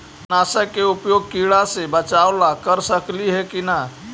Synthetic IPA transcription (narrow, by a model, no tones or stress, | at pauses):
naːsəkːeʊpjoːɡ̚kiɽasebət͡ʃaːwlakəɾsəkliɦɛkina